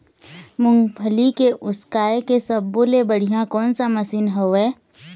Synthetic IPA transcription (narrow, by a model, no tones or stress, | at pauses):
mʊ̃ŋɡpʰəlikeʔʊskaːekesəbːolebəɽ̤ijãkɔːnsaməsinɦoɛː